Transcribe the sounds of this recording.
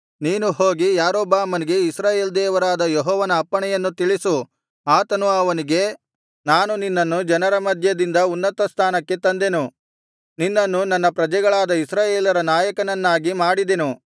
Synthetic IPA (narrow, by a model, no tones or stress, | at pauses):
niːnuɦo̞ːɡijaːɾoːbaːmɐniɡe̞isɾaːje̞ːld̪ɛːʋɐɾaːd̪ɐjɔɦɔːʋɐnɐːpːɐɳɛjɐnːut̪iɭisu | aːt̪ɐnuɐʋɐniɡe̞ | naːnuninːɐnːud͡ʒɐnɐɾɐmɐd̪ʱjɐd̪ind̪ɐunːɐt̪ɐst̪ʰaːnɐkːe̞t̪ɐnd̪e̞nu | ninːɐnːunɐnːɐpɾɐd͡ʒɛɡɐɭaːd̪ɐisɾaːjeːlɐɾɐnaːjɐkɐnɐnːaːɡimaːɽid̪enu